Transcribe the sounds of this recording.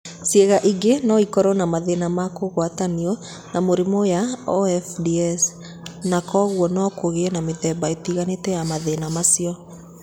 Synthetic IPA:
sjeɣaʔiɡenɔikɔɾɔnamaðenamakoɣwataniɔ | namoɾemɔjaɔɛfdiɛs | nakɔɣwɔnɔkoɣeɛnameðɛbaetiɣanetɛjamaðenamasiɔ

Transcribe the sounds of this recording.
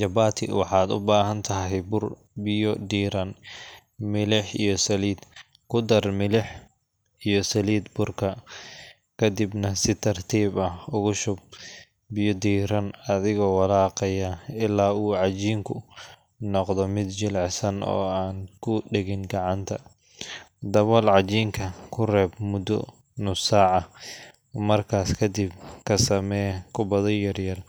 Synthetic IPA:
d͡ʒɐbaːt̪ʰɪ̰wɑħɑːd̪ʊ̰baːɦɐnt̪ʰɐɦɛjbʊr | bɪjɔd̪iːɾɐn | mɪlɪħijɔsɐliːd̪ | kʰʊd̪ɐrmɪlɪħ | ijɔsɐliːd̪bʊrkʰɐ | kʰɐd̪ibnɐsɪt̪ʰɐrt̪ʰiːbɐhʊɣʊʃʊb̚ | bɪjɔd̪iːɾɐnɐðɪɣɔwɑlaːqɛjaɪlːaːuːʕɑt͡ʃiːŋkʰʊ | nɔqd̪ɔmɪd̪t͡ʃɪlʕɪsɐnɔ̰ːaːnkʰʊɖɛɣɪnɡɑʕɑnt̪ʰɐ | d̪ɐβɔlʕɑt͡ʃiːŋkʰɐkʰʊrɛːbmʊd̪ɔ̰ | nʊsaːʕɐ | mɐrkʰaːskʰɐd̪ibkʰɐsɐmɛːkʰʊbɐðɐjɐrjɐl

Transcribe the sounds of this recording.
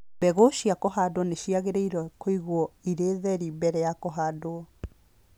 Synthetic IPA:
bɛɣoʃiakɔɦadoɔneʃiaɣeɾeiɾɔkoiɣwɔiɾeðɛɾibɛɾɛjakɔɦaːdoɔ

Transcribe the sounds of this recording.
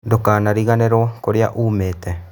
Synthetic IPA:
dokaːnaɾiɣaneɾokoɾea̰ʔuːmeːtɛ

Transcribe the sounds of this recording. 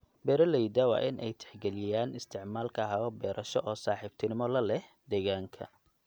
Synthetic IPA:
bɛːɾɐlɛjd̪ɐwɑ̰ːʔɪnʔɛjt̪ʰɛ̥ħɡɛlɪjaːnʔɪst̪ʰɪʕmaːlkʰɐɦɐɔbɛːɾʔɐʃɔʔɔːsaːħiːb̥̚t̪ʰɪnɪmɔlɐlɛh | d̪ɛːɣaːŋkʰɐ̰

